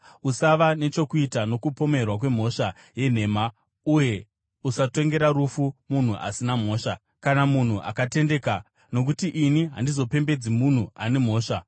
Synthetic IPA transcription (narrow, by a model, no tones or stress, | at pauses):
usaʋane̞t͡ʃo̞kuitano̞kupo̞me̞rwak̬we̞m̤o̞ʃa | je̞n̤e̞ːma | uje̞ | usato̞ŋɡe̞ɾaɾufumun̤uʔa̰sinam̤o̞ːʃa | kanamun̤uʔa̰kate̞nde̞ka | no̞k̬utiʔiniɦa̰ndizo̞pe̞mbe̞d͡zimun̤uane̞m̤o̞ːʂa